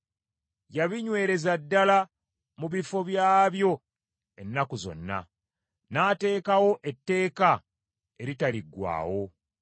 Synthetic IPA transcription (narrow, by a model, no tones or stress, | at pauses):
jaβiɲwe̞ːɾe̞zadːala | muβifo̞βjaːβjo̞ | e̞nːakuzo̞̰nːa̰ | naːte̞ːkawo̞ʔetːe̞ːka | e̞ɾitaliɡwa̰ːwo̞